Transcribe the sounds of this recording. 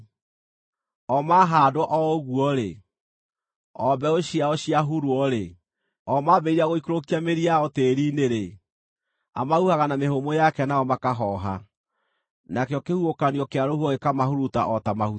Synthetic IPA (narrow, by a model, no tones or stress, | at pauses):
ɔmaɦadoɔʔɔoɣuɔɾḛ | ɔbɛoɕiaɔɕiaɦuɾwɔɾe | ɔmabeiɾaɣoikoɾokiameɾiaɔteɾiːneɾe | a̰mahuhaɣanamehomojakɛnaɔmakaɦɔɦa | nakeɔkehuokaniɔkeaɾohuɔɣekamahuɾuta̰ʔɔtamahu